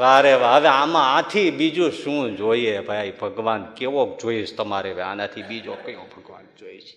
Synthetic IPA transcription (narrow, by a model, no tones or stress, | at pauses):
ʋaɾeʋaɦəʋeamããt̪ʰibid͡ʒũʃũd͡ʒoiebʱajaibʱəɡʋankeʋokd͡ʒoiʃt̪əmaɾebeã̰nat̪ʰibid͡ʒokəjõbʱəɡʋa̰nd͡ʒoiʃ